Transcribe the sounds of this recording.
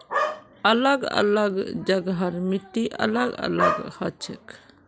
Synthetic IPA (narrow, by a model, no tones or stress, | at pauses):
ɐləɡɐ̰ləɡd͡ʒəɡɦəɾmit̪ːiʔɐ̰ləɡɐ̰ləɡhɐt͡ʃʰek